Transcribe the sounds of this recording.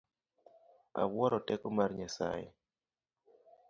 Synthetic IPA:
a̰wwɔɾɔtɛkɔmarɲasa̰jḛ

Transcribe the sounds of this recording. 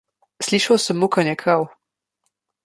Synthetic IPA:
sliʃawsəmːukanjɛkɾaw

